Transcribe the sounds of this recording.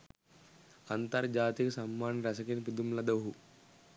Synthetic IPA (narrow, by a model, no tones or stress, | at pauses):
ɐnt̪ɐɾd͡ʒaːt̪ikɐsɐmːaːnɾɐsɐkinpid̪umlɐd̪ɐɦu